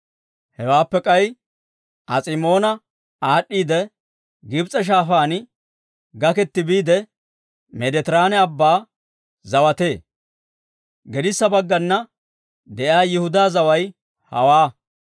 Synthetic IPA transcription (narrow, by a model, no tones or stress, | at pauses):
hɛwaːpːɛkʼɐj | ʔɐsʼɪmo̞ːnɐ | aːɗːiːd̪ɛ | ɡɪbt͡sʼɛʃ̬aːfaːnɪ | ɡɐkɛt̪ːɪbiːd̪ɛ | mɛd̪ɛt̪ɪɾaːnɛɐbːaː | zɐwɐt̪e̞ː | ɡɛd̪ɪsːɐbɐɡːɐnːɐ | d̪ɛʔjaːjɪhʊd̪aːzɐwɐj | hɐ̰waː